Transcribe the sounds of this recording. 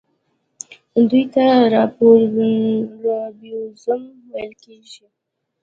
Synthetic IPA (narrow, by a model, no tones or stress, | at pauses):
d̪ujt̪aɾɑpoɾ | ɾɑbozʊm | wajəlkeʒi